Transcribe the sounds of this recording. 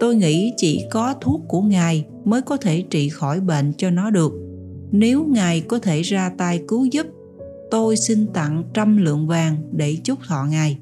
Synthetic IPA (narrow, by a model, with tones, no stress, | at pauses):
t̪o˧jŋḭ˧˥t͡ɕḭ˧˩kɔ˨˦t̪ʰu˦˥ək̚kːu˧˩əŋaː˨˩j | məː˨˦jkɔ˨˦t̪ʰe˧˩t͡ɕḭ˧˨xɔ˧˩jɓḛ˧˨nt͡ɕɔ˧nɔ˨˦ɗɨ˨˩ək̚ | ne˨˦wŋaː˨˩jkɔ˨˦t̪ʰe˧˩zaː˧t̪aː˧jkɨ˨˦zɨ˦˥p̚ | t̪o˧jsi˧nt̪a̰˧˨ŋt͡ɕa˧mlɨ̰˧˨əŋvaː˨˩ŋɗe˧˩t͡ɕʊ˦˥k͡p̚t̪ʰɔ̰˧˨ŋaː˨˩j